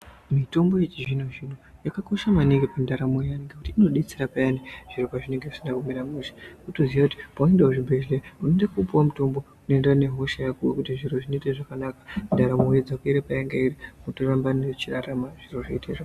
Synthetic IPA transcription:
mito̞mbo̞jet͡ʃiʐinoʐinujakako̞ʃamaniŋɡepandaɾamoaniŋɡekutiːno̞ɗit͡siɾapajaneʐ̥iɾopaʐine̞ŋɡei̥sindakumeɾamuʃi̥kutoziakuti̥paendeoʐibʱe̞ɮeunendakupuwamuto̞mbo̞ | unoendane̞ɦoʃajakuwekutiʐiɾoʐineteʐakanakḁndaɾamojed͡zakueɾepajaŋɡeiɾimutorambanet͡ʃiraɾamaʐ̥iroʐeitera

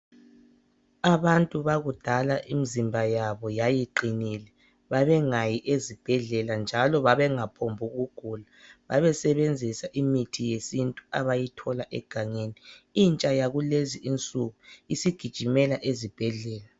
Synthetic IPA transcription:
aβantʼuβaɣud̥ʱalaʔimizimbʱajaβɔjajiǃinilɛ | βaβɛŋajiʔezib̥ʱɛɮɛland͡ʒʱalɔβaβɛŋapʰombʱuɣuɡ̥ʱulaβaβɛsɛβend͡zʱisaʔimitʰijesintʼuaβajitʰɔlaʔɛ̰ɡ̥ʱaŋeːniint͡ʃʼajaɣuleziʔint͡sʼuɣuisiɡ̥ʱid̥ʒ̥ʱimɛlaʔezib̥ʱɛɮɛːla

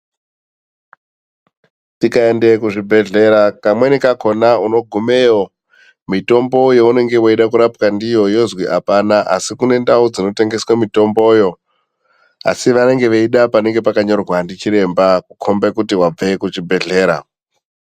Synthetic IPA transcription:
tikaendekuʐibʱe̞ɮe̞ɾakamwe̞nikako̞nauno̞ɡʱume̞ːo | mito̞mbo̞joune̞ŋɡe̞woiɗakuɾapkandijo̞jo̞zwiʔapanaʔa̰sikune̞ndaud͡zino̞te̞ŋɡe̞swamito̞mbo̞jo̞ | a̰siʋane̞ŋɡe̞ʋeiɗapane̞ŋɡe̞pakaɲo̞rwandit͡ʃiɾe̞mbakukʰo̞mbekutiwab͡ve̞kuʐibʱe̞ɮe̞ːɾa̰

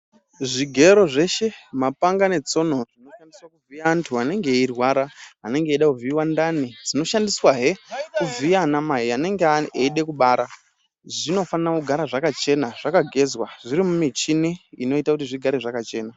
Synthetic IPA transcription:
ʐiɡʱe̞ɾo̞ʐe̞ʃe̞mapaŋɡane̞t͡so̞no̞rino̞fandiswakuvijaːntʰuane̞ŋɡe̞irwaɾaane̞ŋɡeɗakuviwandanid͡zino̞ʃandiswaɦekuvianamaɦiane̞ŋɡeaeiɗe̞kuɓaːɾa | ʐino̞fanirakuɡʱaɾaʐakat͡ʃe̞naʐ̥akaɡʱe̞zwaʐiɾimumit͡ʃiniino̞itakutiʐiɡʱaɾeʐakat͡ʃe̞ːna

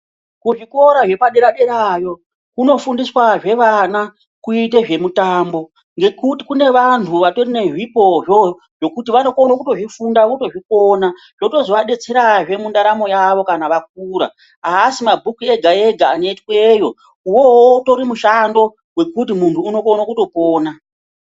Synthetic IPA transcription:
kuʐiko̞ɾaʐe̞paɗeɾaɗeɾajo̞ | kuno̞fundiswaʐe̞ʋana | kuite̞ʐe̞mutaːmbo̞ | ŋɡe̞kutikune̞ʋantʰuʋato̞rine̞ʐipo̞ʐo̞ | ʐ̥o̞kutiʋano̞konokuto̞ʐifundakoto̞ʐikona | lo̞to̞zoʋaɗe̞t͡se̞ɾaʐe̞mundaɾamo̞jaʋo̞kanaʋak̚uːɾa̰ | aːsimabʱukue̞ɡʱae̞ɡʱaːne̞twejo̞ | uwo̞woto̞ɾimuʃando̞ | we̞kut̬imuntʰuːno̞konakuto̞poːna

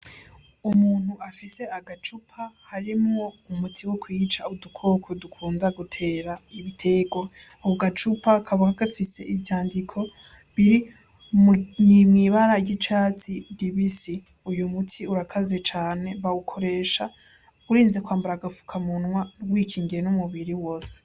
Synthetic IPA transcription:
umuːn̥huafise̞aɡat͡ʃupʰahaɾimŋoumutʰiwokwiːt͡ʃaudukʰo̞ːkʰodukʰuːndaɡutʰe̞ːɾaiβitʰe̞ːɡo | wuɡat͡ʃupakʰaβukaɡafise̞̰ʔivjaːndikʰo̞ | βiɾi | mɲimŋiβaɾaɟit͡ʃaːt͡sidiβisi | ujumutʰiuɾakʰazet͡ʃaːne̞βawukʰo̞ɾe̞ːʃa | uɾiːnze̞kwaːmbaɾaɡafu̥kʰamunwanuɡwiːkʰiːŋɡiɾenumuβiɾiwo̞ːse̥

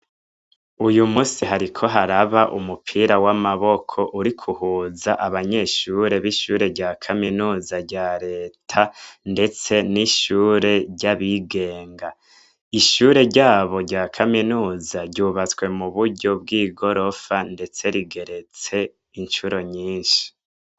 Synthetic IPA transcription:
ujumuːsiɦaɾikʰo̞ɦaɾaβaʔṵmupʰiːɾawamaβo̞kʰo̞ʔuɾikʰuhuːzaʔaβaɲe̞ʃuɾe̞βiʃuːɾe̞ɾɟaːkʰaminuːzaɾɟaːɾe̞ːtʰande̞t͡se̞niʃuːɾe̞ɟaβiɡe̞ːŋɡa | iʃuːɾe̞ɾɟaːβo̞ɾɟaːkʰaminuːzaɾɟuːβat͡swe̞muβuɾɟo̞b̚ɡiːɡo̞ɾo̞fande̞t͡se̞ɾiɡe̞ɾe̞t͡se̞ | inʃuɾo̞ɲiːnʃi̥

